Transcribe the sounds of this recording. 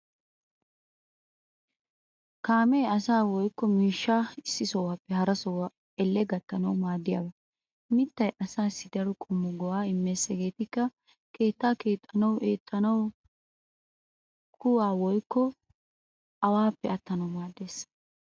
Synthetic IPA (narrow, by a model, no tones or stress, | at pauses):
kaːmeːɐsaːwɔjkːɔmiːʃːaːɪsːɪsɔwaːpːɛhɐɾɐsɔwɐ | ɛlːɛɡɐt̪ːɐnɐwmaːd̪ːɪja̰ːbɐ | mɪt̪ːɐjʔɐsaːsːɪd̪ɐɾɔkʼʊmːɔɡɔwaːɪmːe̞ːsɛɡe̞ːt̪ɪkːɐ | ke̞ːt̪ːaːke̞ːt̪ʼːɐnɐweːt̪ʼːɐnɐw | kʰʊwaːwɔjkːɔ | ɐwaːpːɛɐt̪ːɐnɐwmaːd̪ːe̞ːs